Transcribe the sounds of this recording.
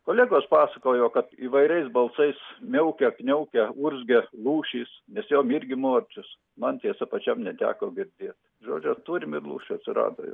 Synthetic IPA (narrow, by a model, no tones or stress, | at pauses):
koːlʲeːɡoːspɑːsɐkoːjoːkɐt̪iːʋɐɪɾʲɛɪsbɐlˠsɐɪsmʲɛʊkʲɛknʲɛʊkʲɛuɾʲzʲɡʲɛlˠuːʃʲiːsnʲɛsjoːmɪrʲɡʲɪmoːrʲt͡ʃʲʊs | mɐnt̪ʲiɛsɐpɐt͡ʃʲɛmnʲɛt̪ʲæ̰ːkoːɡʲɪɾʲd̪ʲeːt̪ | ʒo̰ːd͡ʒʲʊt̪uːɾʲɪmɪrlˠṵːʃʲʊɐt̪ʲsʲɪɾɑ̰ːd̪o̰ːjo̰